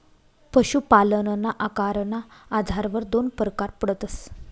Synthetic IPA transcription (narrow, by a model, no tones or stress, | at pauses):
pəɕupalənənaʔakaɾənaːd̪ʱaɾʋəɾd̪onpəɾəkaɾpəɽət̪əs